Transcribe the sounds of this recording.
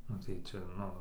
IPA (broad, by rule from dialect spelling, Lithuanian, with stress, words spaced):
ˈnʊ tɐɪ ˈt͡ʃʲɛ ˈnʊ